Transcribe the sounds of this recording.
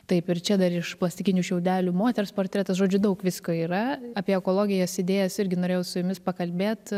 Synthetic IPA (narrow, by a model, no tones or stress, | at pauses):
t̪ɐɪpɪrt͡ʃʲɛd̪ɐɾɪʃplˠɐsʲt̪ʲɪkʲɪnʲuːʃʲɛʊd̪ʲæːlʲuːmoːt̪ʲɛɾsporʲt̪ʲɾʲɛːt̪ɐsʒoːd͡ʒʲʊd̪ɐʊkʋʲɪskoːiːɾɐɑpʲiɛɛkoːlˠoːɡʲɪjɛsɪd̪ʲeːjɛsɪɾʲɡʲɪnoːɾʲeːjɛʊsʊjʊmʲɪspɐkɐlʲbʲeːt̪